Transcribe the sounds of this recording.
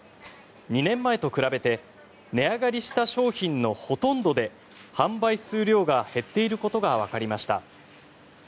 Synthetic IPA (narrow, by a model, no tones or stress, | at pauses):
ɲ̟inẽ̞mːae̞t̪o̞kɯ̟ɾabe̞t̪e̞ | ne̞aɡaɾʲiɕi̥t̪aɕo̞ːçĩnːo̞ho̞t̪õ̞nd̪o̞d̪e̞ | hãmbaisɨːɾʲo̞ːɡahe̞t̪ːe̞iɾɯ̟ko̞t̪o̞ɡaβ̞akaɾʲimaɕi̥t̪a̰